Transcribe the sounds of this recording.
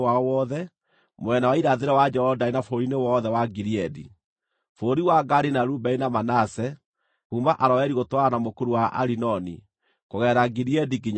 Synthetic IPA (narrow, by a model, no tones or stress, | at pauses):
aɔwɔːðɛ | mwɛnawaiɾaðeɾɛwad͡ʒɛhɔdainafoɾinewɔðɛwaɡiɾiɛdḭ | foːɾiwaɡaɾinaɾuːbɛinamanasɛ | kuːmbaʔaɾɔɛɾiɣotwaɾanamokuɾuwaʔa̰ɾinɔnḭ | koɣɛːɾaɡiɾiɛdiɡiɲ